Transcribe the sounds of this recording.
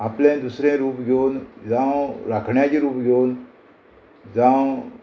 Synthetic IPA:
aplẽd̪usɾẽɾuːpɡʱewnd͡zãwɾakʰɳjat͡ɕiɾuːpɡʱen | d͡zãw

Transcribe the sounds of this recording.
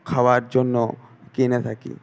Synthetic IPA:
kʰawaɾd͡ʑonːokinet̪ʰakḭ

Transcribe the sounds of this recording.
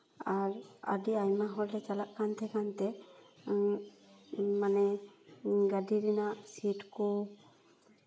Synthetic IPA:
aɾa̰diajmaɦɔldɛt͡ʃalaʔkant̪ʰɛkant̪ɛ | manɛ | ɡadiɾinaʔsiʈkɔ

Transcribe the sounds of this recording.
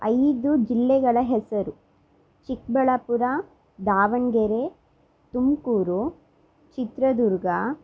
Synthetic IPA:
ɐjd̪ud͡ʒilːɛɡɐɭɐɦɛsɐɾu | t͡ʃik̚bɐɭɐpuɾa | d̪aːʋɐŋɡeɾe | t̪umkuːɾu | t͡ʃit̪ɾɐd̪uɾɡɐ

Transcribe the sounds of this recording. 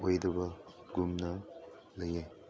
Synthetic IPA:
ojdɐbɐ | ɡumnɐ | lɐje

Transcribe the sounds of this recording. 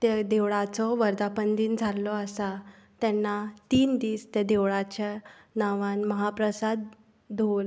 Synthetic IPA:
t̪ed̪eʋɭat͡sɔʋəɾd̪apənd̪iːnd͡zʱalːɔəsa | t̪ɛnːat̪iːnd̪iːst̪ed̪eʋɭat͡ɕa | naʋãnməɦapɾəsad̪̚ːʱ | ol

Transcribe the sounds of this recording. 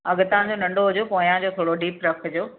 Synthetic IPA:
ɐɡt̪ãd͡ʑonɐ̃ɳɖoɦʊd͡ʑokoːĩjãd͡ʑoːt̪ʰoːɽoɖiːpɾɐkʰd͡ʑoː

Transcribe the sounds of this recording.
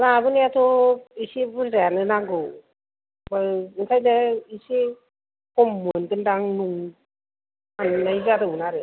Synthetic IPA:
labɯniatʰoisebɯɾzaanɯnaɡɯw | baɯnsʰajdaise | kɔmːɯnkɯndaŋnuŋ | annajzadɯmɯnaɾɯ

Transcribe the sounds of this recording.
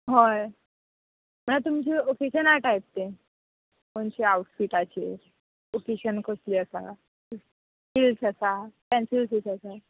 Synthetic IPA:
ɦoj | m̤ənat̪umt͡ɕiːokeɕənaʈajp̚t̪e | məɳt͡ɕiawʈfiʈat͡ɕḛ | okeɕənkəsliːəsa̰ | filsasakɛ̃nsilsisasa

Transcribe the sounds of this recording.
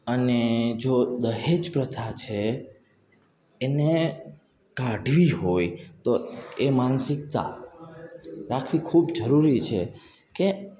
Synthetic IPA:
əned͡ʒod̪əɦed͡ʒpɾət̪ʰat͡ʃʰe | ne | kaɖʱʋiɦojt̪oemansɪk̚t̪a̰ | ɾakʰʋikʰubd͡ʒəɾuɾit͡ʃʰe | ke

